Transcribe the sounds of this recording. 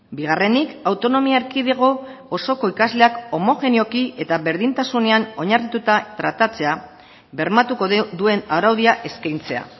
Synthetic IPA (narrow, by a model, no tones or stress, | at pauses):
biɣ̞are̞nikawt̪o̞no̞miaeɾkiðeɣ̞o̞ːso̞ko̞ikazle̞ako̞mo̞xe̞nio̞kie̞t̪aβe̞ɾðint̪asune̞ano̞ɲarit̪ut̪at̪ɾat̪at͡se̞a | βe̞ɾmat̪ukod̪ue̞nawɾawðiaʔe̞skajnt͡se̞a̰